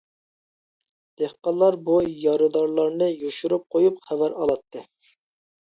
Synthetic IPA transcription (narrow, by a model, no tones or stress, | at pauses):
d̪̥ehqɑlˠːɑɾbujɑɾɨd̪ɑɾlˠɑɾnɨjoʃuɾup̚qʰojupχævæɾɑlˠɑt̪ʰːɨ